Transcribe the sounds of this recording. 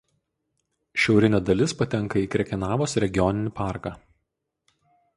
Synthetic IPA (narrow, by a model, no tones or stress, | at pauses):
ʃʲɛʊɾʲɪnʲɛd̪ɐlʲɪspɐt̪ʲɛŋˑkɐiːkɾʲɛkʲɛnɑːʋoːsɾʲɛɡʲɪjɔnʲɪnʲɪpɑˑɾkɑː